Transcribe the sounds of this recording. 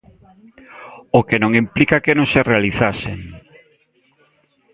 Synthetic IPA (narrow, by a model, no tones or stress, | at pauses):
okenõŋimplikakenõŋserealiθasḛŋ